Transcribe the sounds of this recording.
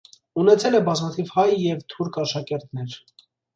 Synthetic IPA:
unɛt͡sʰɛlɛbɑzmɑt̪ʰivhɑjːɛvt̪ʰuɾkɑʃɑkɛɾt̪nɛɾ

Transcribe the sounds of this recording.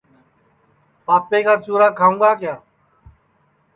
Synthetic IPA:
paːpeːkaːt͡ʃuːɾaːkʰaːũːɡaːkjaː

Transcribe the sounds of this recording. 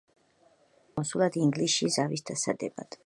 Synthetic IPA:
ɔsulˠad̪iŋɡliʃizavisd̪asa̰d̪ɛba̰d̪̥

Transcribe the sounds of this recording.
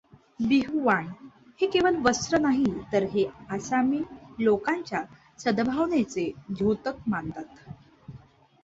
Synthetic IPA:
biɦuʋaɳ | hekeʋəlʋəsɾənaɦit̪əɾɦeasamiːlokaɲt͡ɕja | səd̪bʱaʋɳet͡seɡʱot̪ək̚mant̪at̪

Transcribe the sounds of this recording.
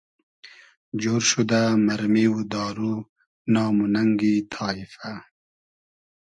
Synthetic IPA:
d͡ʒoːɾʃud̪amaɾmiwud̪ɑːɾu | nɑːmunaŋɡit̪ʰɑːifa

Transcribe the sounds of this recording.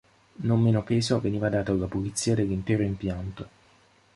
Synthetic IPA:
nomːeːnopeːzoveniːvad̪aːt̪aalːapolit̪sːiːad̪elːint̪ɛːɾoimpjant̪o

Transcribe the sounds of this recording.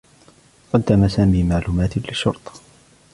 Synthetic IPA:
qɑd̪ːamasaːmiːmaʕluːmaːt̪lɪʃːʊɾt̪ˤɑ̥

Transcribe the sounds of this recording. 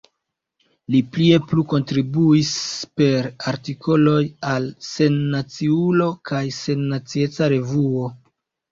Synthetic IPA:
liplie̞pluko̞ntɾibuispe̞ɾaɾtikʰo̞lo̞jalse̞nːat͡siulo̞kajse̞nːat͡sie̞t͡saɾe̞vuo̞

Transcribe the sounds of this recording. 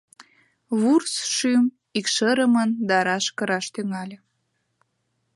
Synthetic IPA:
βursʃym | ikʃəɾəmənd̪ɑɾɑʃkəɾɑʃt̪yŋɑlʲe

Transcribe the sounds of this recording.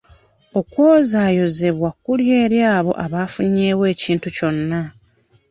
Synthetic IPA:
o̞kwo̞ːzaːjo̞ze̞βwakːulje̞ːɾjaːβo̞̰ʔaβaːfuɲːeːwe̞ːciːntuco̞nːa

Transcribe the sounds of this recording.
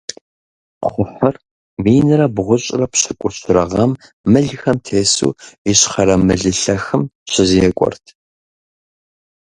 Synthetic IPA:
χʷʊħɐr | miːnɨrɐbʁʷʊɕʼɪrɐpɕɪkʷʼʊɕʰɪɾɐʁɐmː | ɨɮxɐmtʰeːsṵːiɕχɐɾɐmɨɮɨɬɐxɨmɕɪziɛkʷʼɔ̰rtʰ

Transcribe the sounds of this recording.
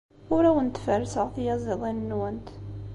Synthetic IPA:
ʊɾæwənt̪ːfəɾsəʁθjɑziðˤinnːwænt̪

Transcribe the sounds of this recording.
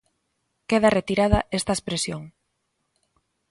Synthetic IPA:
keð̞ɐret̪iɾað̞ɐʔest̪ɐespɾesjoŋ

